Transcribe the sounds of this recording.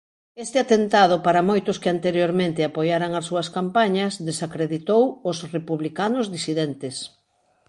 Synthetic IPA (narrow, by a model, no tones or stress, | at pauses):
est̪ɪat̪ent̪aðʊpaɾɐmojt̪ʊskeant̪eɾjoɾmẽnt̪ɪapojaɾaŋɐsuɐskampaɲɐzðesakɾeðit̪owʊsrepuβlikanʊzðisiðent̪ɪs